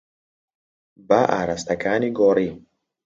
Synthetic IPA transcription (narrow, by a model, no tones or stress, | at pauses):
baʔa̰ɾast̪akʰaːniɡɔːɾi